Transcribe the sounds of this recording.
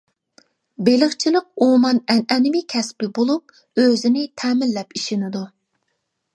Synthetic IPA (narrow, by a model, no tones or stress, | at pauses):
belɪχt͡ʃʰilˠəq̚umɑnɛnɛnɪmɪkʲʰɛspɪbolˠup̚ | øzɪnɪt̪ʰɛːmɪlːɛpiʃɪnɪd̪u